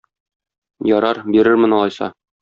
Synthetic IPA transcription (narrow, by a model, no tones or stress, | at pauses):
jɒɾɑɾbiɾɘɾmɘ̆nɒlˠɑjsɑ̰